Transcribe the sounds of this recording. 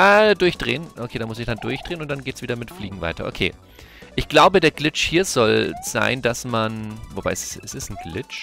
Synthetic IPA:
ʔɛːdʊɐçd̥ʁḛːənʔokʰeːdaːmʊsɪçd̥and̥ʊɐçd̥ʁeːnʊntd̥anɡeːtsv̥iːdɐmɪtflḭːɡŋ̩va̰ɪtɐ̰ʔo̰kʰḛː | ʔɪçɡ̥laʊbədeːɐɡlɪt͡ʃhiːɐzɔlz̥a̰ɪnd̥asmanvob̥a̰ɪssɪsɛsn̩ɡ̥lɪt͡ʃ

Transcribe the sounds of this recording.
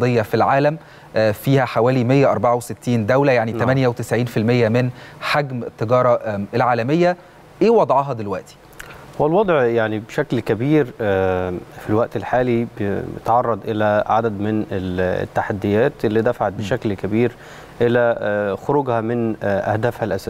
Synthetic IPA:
ɑd̪ejːɑfilʕaːlæm | fiːhæħawæːlimejːæʔɑɾˤbɑʕawset̪ːiːnd̪æwlæjaʕnit̪æmænjæwet̪ɪsʕiːnfilmejːæmɪnħaɡmet̪ːeɡɑːɾˤɑelʕaːlæmejːæ | ʔeːwɑd̪ˤʕɑɦɑd̪elwæʔt̪i̥ | wælwɑd̪ˤʕjaʕnibʃæklkæbiːɾ | filwæʔt̪elħaːlibḛt̪ʕɑrˤːɑd̪ˤʔelæʕad̪æd̪mɪnel̰t̪ːaħad̪ːɪjæːt̪elːiːd̪æfaʕat̪̚beʃæklkæbiːɾ | ʔɪlæxoɾuɡhæmɪnʔæ̰hd̪æːfhælʔæsæ

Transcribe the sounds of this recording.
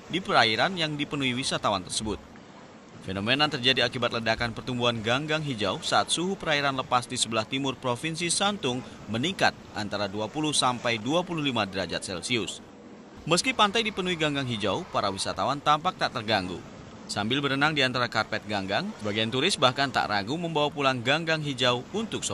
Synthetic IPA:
dipəɾaiɾanjaŋdipənuiwisat̪awant̪ərsəbʊt̪̚ | fenomenat̪ərd͡ʒadiakibat̪̚lədakanpərt̪umbuanɡaŋɡaŋɦid͡ʒawsaat̪̚suɦupəɾaiɾanləpasdisəbəlaht̪imʊrpɾofinsisant̪ʊŋ | mənikat̪̚ʔa̰nt̪aɾaduapuluhsampajduapuluhlimadəɾad͡ʒat̪̚sɛlsiʊs | məskipant̪ajdipənuiɡaŋɡaŋɦid͡ʒawpaɾawisat̪awant̪ampak̚t̪aʔt̪ərɡaŋɡṵ | sambɪlbəɾənaŋdiant̪aɾakarpɛt̪̚ɡaŋɡaŋsəbaɡajant̪uɾɪsbahkant̪a̰ʔrʔaɡuməmbawapulaŋɡaŋɡaŋɦid͡ʒawunt̪ʊk̚so

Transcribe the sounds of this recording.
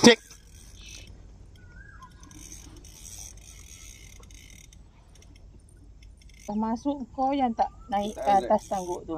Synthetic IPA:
t͡ʃek̚ | t̪amasuʔŋ̩kojant̪aʔnaiʔat̪ast̪aŋɡuʔd̪u

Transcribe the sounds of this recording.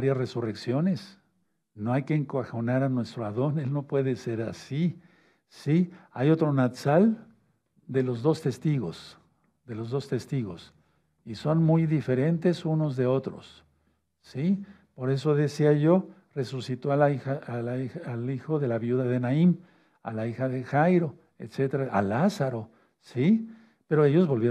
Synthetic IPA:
aɾjasre̞sure̞ksjo̞ne̞s | no̞ajke̞ːŋkwaxo̞naɾanwe̞st̪ɾoaðo̞ne̞lnopwe̞ðe̞se̞ɾasi | siajo̞t̪ɾo̞nat̪sal | d̪e̞lo̞zðo̞st̪e̞st̪iɣo̞̰s | ðe̞lo̞zðo̞st̪e̞st̪iɣo̞s | iso̞nmujðife̞ɾe̞nt̪e̞suno̞zðe̞o̞t̪ɾo̞̰sː | ipo̞ɾe̞so̞ðe̞siaʝo̞ | re̞susit̪o̞aiaialixo̞ðe̞laβjuðaðenaim | a̰laixaðe̞xajɾo̞ | ḛt̪se̞t̪eɾaalasaɾo̞ | si | pe̞ɾo̞e̞ʝo̞zβo̞lβj

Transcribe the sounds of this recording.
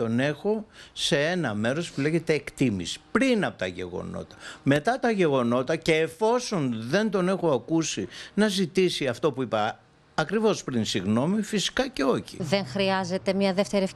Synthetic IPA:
t̪o̞ne̞xo̞se̞e̞nɐme̞ɾospule̞ʝet̪eːkt̪imḭspɾinɐpo̞t̪ɐʝe̞̰ɣo̞̰no̞̰t̪ɐ̥me̞t̪ɐt̪ɐʝe̞ɣo̞no̞t̪ɐce̞ːfo̞so̞nðe̞nt̪o̞ne̞xo̞ɐkusinɐzit̪isiɐft̪o̞puipɐ | ɐkɾivo̞spɾinsiɣno̞mifisi̥kɐce̞o̞çḭðeŋxɾiɐze̞t̪e̞mɲɐðe̞ft̪eɾie

